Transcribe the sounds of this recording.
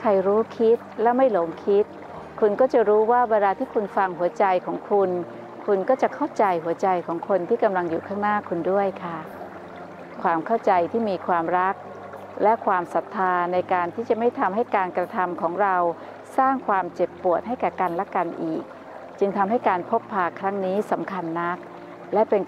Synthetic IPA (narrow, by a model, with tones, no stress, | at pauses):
kʰa˧jɾuː˦˥kʰi˦˥t̪̚lɛ˦˥wma˥˩jlo˩˦ŋkʰi˦˥t̪̚ | kʰu˧nkɔː˥˩t͡ɕa˨˩ɾuː˦˥waː˥˩wa˧ndaː˧t̪ʰiː˥˩kʰu˧nfa˧ŋɦu˨˩˦ɐt͡ɕa˧jkʰɔː˩˦ŋkʰu˧n | kʰu˧nkɔː˥˩t͡ɕa˨˩kʰa˥˩wt͡ɕa˧jɦu˨˩˦ɐt͡ɕa˧jkʰɔː˩˦ŋkʰo˧nt̪ʰiː˥˩ka˧mla˧ŋjuː˨˩kʰaː˥˩ŋnaː˥˩kʰːu˧ndu˥˩əjkʰa˥˩ | kʰwaː˧mkʰa˥˩wt͡ɕa˧jt̪ʰiː˥˩miː˧kʰwaː˧mɾa˦˥k̚ | lɛ˦˥kʰwaː˧msa˨˩t̪ʰːaː˧na˧jkaː˧nt̪ʰiː˥˩t͡ɕa˨˩ma˥˩jt̪ʰa˧mɦa˥˩jkaː˧nkɾa˧t̪ʰa˧mkʰɔː˩˦ŋɾa˧w | saː˥˩ŋkʰwaː˧mt͡ɕe˨˩pːu˨˩ət̪̚ɦa˥˩jkɛː˨˩ka˧nlɛ˦˥ka˧nʔḭː˨˩k̚ | t͡ɕɯ˧ŋt̪ʰa˧mɦa˥˩jkaː˧npʰo˦˥pʰːaː˨˩kʰːɾa˦˥ŋniː˦˥sa˩˦mkʰa˧nːa˦˥k̚ | lɛ˦˥pe˧n